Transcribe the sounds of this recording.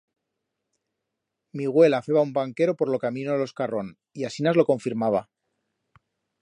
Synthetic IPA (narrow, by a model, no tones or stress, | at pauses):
miɣ̞we̞lafe̞βaumbaŋke̞ɾo̞po̞ɾlo̞kamĩnoelo̞skaro̞n | iasinazlo̞ko̞ɱfiɾmaβa